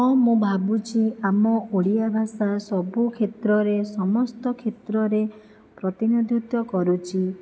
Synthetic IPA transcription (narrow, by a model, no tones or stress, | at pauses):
ɔmũbʱabut͡ʃʰiamɔʔoɽijabʱasasɔbukʰet̪ɾɔɾesɔmɔst̪ɔkʰet̪ɾɔɾe | pɾɔt̪inod̪ʱjut̪jɔkɔɾut͡ʃʰi